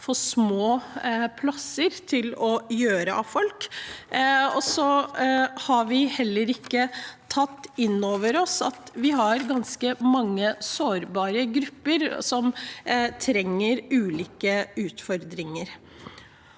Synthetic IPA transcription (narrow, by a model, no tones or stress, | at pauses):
fɔsmoːpʰlɑsəɾt̪ʰɪlɔjøːɾəʔɑʋfɔlk | ɔsɔ | hɑɾʋɪhɛlːəɾɪkːət̪ʰɑt̪ːɪnːoːʋəɾɔsɑ̰t̪ʋɪɦɑɾɡɑnskəmɑŋːəsoːɾbɑːɾəɡɾʉpːəɾsɔmt̪ʰɾɛŋːəɾʉːliːkəʉːt̪fɔɾd̪ɾɪŋəɾ